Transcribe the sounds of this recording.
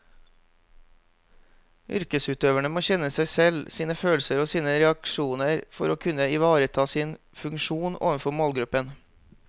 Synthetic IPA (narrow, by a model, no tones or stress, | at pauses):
ʔʏ̰ɾkəsʉːt̪øːʋəɳəmoːçɛnəsæɪsɛlsiːnəføːlsəɾoːsiːnəɾɛɑkʃuːnəɾfɔɾoːkʰʉnəɪʋɑːɾət̪ʰɑːsiːn | fʉŋʃuːnʔo̰ːʋənfɔmoːlɡɾʉpən